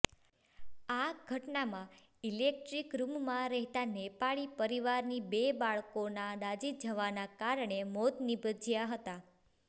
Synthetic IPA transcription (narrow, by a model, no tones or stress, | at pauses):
aɡʱəʈnamã | ilek̚ʈɾikɾummãɾɛɦt̪anepaɭipəɾiʋaɾnibebaɭkonaɾad͡ʒid͡ʒəʋanakaɾɳemɔd̪nibəd͡ʒjaɦət̪a